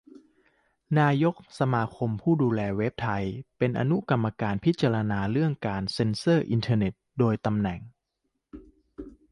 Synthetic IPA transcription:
naː˧jo˦˥k̚sa˧maː˧kʰo˧mpʰuː˥˩duː˧lɛː˧we˦˥p̚t̪ʰa˧jpe˧nʔa̰˧nu˦˥ka˧mːa˧kaː˧npʰi˦˥t̪̚t͡ɕaː˧ɾa˧naː˧ɾɯ˥˩əŋkaː˧nse˧nsɤː˥˩ʔi˧nt̪ʰɤː˧ne˨˩t̪̚doː˧jt̪a˧mnɛ˨˩ŋ

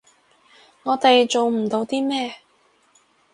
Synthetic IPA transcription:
ŋɔː˨˧t̪e˨jt͡so˨wm̩˨˩t̪o˨˧˥wt̪iː˥mɛː˥

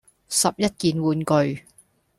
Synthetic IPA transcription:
sɐ˨p̚jɐ˥t̚kiː˨nwuː˨nkɵ˨˧ɥ

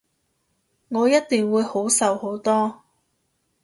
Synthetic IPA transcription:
ŋɔː˨˧jɐ˥t̚t̪ɪ˨ŋwuː˨˧jho˨˥wsɐ˨who˨˥wt̪ɔː˥

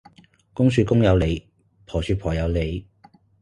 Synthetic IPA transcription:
kʊ˥ŋsyː˨˧kʊ˥ŋjɐ˨˧wle˨˧j | pʰɔː˨˩syː˧pʰɔː˨˩jɐ˨˧wle˨˧j

